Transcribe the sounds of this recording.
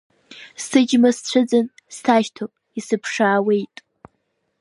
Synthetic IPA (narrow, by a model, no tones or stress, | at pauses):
sɨd͡ʒmast͡ɕʷʰɨd͡zɨn | stʰaːʃtʰopʼ | isɨpʰʂaːwejtʼ